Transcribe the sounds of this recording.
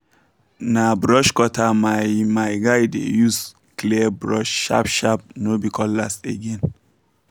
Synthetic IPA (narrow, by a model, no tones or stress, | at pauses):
nabɾɔʃkɔtʰamamajɡajdḛjus | klibɹɔʃʃa̰pʃap̚nobikʰɔlasḛɡɛ̃n